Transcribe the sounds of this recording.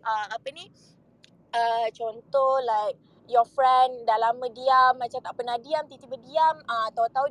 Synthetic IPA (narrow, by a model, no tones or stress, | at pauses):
ʔəmapəni | ət͡ʃɔnt̪ɔhlajk̚ | jɔfɹɛndalamə̃diamːat͡ʃamt̪aʔpənahdiamt̪it̪ibədiaməat̪aut̪au